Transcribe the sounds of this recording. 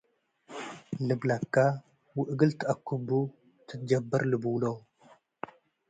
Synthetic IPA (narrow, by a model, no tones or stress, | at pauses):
lɨblakːa | wɨʔɡɨlt̪ʰɨʔakʰːubu | t̪ʰɨt̪̚d͡ʒɐbːɐɾlɨbwlow